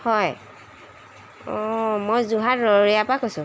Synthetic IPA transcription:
hɔj | ɔmojzuɦatɹɔɹiapakojsʊ̃

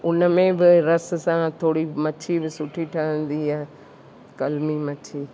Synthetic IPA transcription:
ʊnə̆mẽbɪɾɐssãt̪ʰoːɽimɐtʰibɪsʊʈʰiʈʰɐɦə̃nd̪iaɦ | kɐlmimɐtʰiː

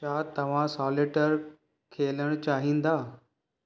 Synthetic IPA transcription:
aːt̪ɐʋ̤ãsaːlɪʈəɾ | kʰeːləɽ̃t͡ɕaːɦĩːnd̪aː

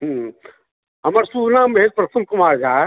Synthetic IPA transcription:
ɦ | ɐmɐɾsuːnaːmbeːspɾɐsumkʊmaːɾd͡ʒaː

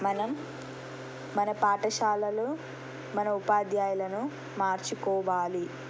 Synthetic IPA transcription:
mɐnɐm | ɐnɐpaːʈɐʃaːlɐlu | mɐnɐupaːd̪jaːjɐlɐnu | maːɾt͡ʃukɔːʋaːli

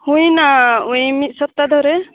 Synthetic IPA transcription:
hũjnaujmit̪̚sɔt̪ːad̪ʱɔɾɛ

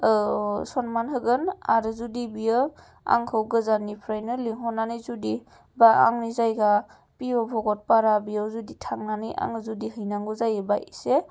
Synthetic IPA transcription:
sɔnmanɦɯɡɯnaɾɯzudibijɯ | a̰ŋkʰɯwɡɯzanipʰɾajnɯliŋɦɔnanɯjzudi | baa̰ŋnizajɡa | piɔwbʱɔɡɔt̚paɾabijawzuditʰaŋnanɯ̰jʔa̰ŋɯzudihɯjnaŋɡuzajɯbajise

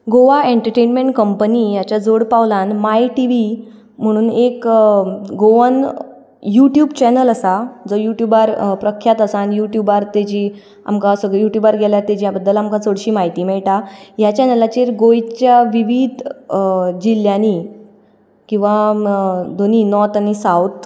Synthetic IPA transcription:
ɡoʋaeɳʈəɾʈenmeɳʈkəmpəniːjat͡ɕjad͡zoɽpaʋlanmajʈiʋi | m̤əɽ̃uːnek | ɡoʋən | juʈjuːbt͡ɕɛnələsad͡zɔjuʈjubaɾpɾəkʰːjat̪əsanjuʈjubaɾt̪ed͡ʑiː | a̰mkãsəɡɭjuʈjubaɾɡɛljaɾt̪ed͡ʑijabəd̪ːəlamkãt͡soɽɕiːmaɦit̪iːmɛɭʈajat͡ɕɛnəlat͡ɕeːɾɡojt͡ɕjaʋiʋid̪ʱ | d͡ʑiljani | kĩw̃ʋa | d̪oniːnɔt̪añisawt̪ʰ

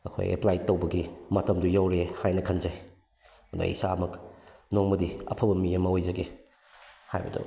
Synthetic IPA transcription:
ɐkʰo̰jḛplajtowbɐɡimɐtɐmdujawɾehajnɐkʰɐnzej | dɐ̰ḭsamɐknoŋmɐdiɐ̰pʰɐbɐmiɐmɐojzɐɡe | hajbɐdṵ

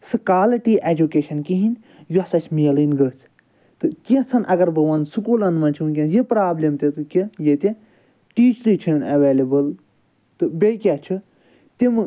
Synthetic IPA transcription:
sɨkaːlʈiʔed͡ʒukeːʃɐnkiɦin | jusɐt͡ʃʰmiːɐliːnɡəːt͡sʰ | t̪ɨkĩsɐnʔɐɡɐɾbɐʋɐnsɨkuːlɐnmɐ̃ːt͡ʃʰunk̬ʲɐ̃jepɾaːblemt̪ʲet̪ɨkijet̪ʲe | ʈiːt͡ʃɾit͡ʃʰinɐʋeːlɐbɨl | t̪ɨbʲejkʲat͡ʃʰɨ | t̪im

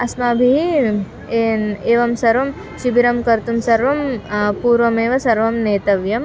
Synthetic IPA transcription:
ɐsmaːbʱiɦi | eːneːʋɐmsɐɾʋɐm | ʃibiɾɐmkɐɾt̪umsɐɾʋɐmpuːɾʋɐmeːʋɐsɐɾʋɐmneːt̪ɐʋjɐm

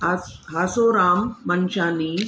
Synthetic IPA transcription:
ɦasoɾaːmːənɕaːniː

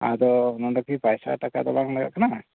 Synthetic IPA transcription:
a̰dɔnɔɖɔkipajsa̰ʈakad̪ɔbaŋlaɡaʔkana

